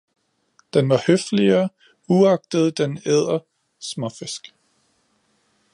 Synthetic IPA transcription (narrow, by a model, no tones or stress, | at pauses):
d̥enʋɑ̈høfliɐː | uɑ̈ɡ̥̚d̥əð̞̩ˠd̥eneð̞̰ˠɐ | smɒfesɡ̥